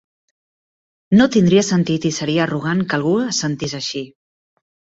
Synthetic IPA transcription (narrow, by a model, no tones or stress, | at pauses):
not̪ind̪ɾiəsənt̪it̪isəɾiəruɣ̞aŋkəlˠɣ̞uəsənt̪izəʃi